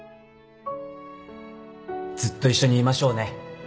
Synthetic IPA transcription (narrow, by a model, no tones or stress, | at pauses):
d͡zɨt̪ːo̞iɕːo̞ɲ̟iːmaɕo̞ːne̞